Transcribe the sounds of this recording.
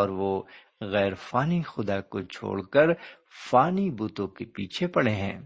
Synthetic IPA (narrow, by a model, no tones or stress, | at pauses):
ɔːɾʋo | ɣɛːɾfaːnixʊd̪akot͡ʃʰo̰ːɽkəɾ | faːnibuːt̪õkepiːt͡ʃʰepɐɽeɦɛ̰̃ː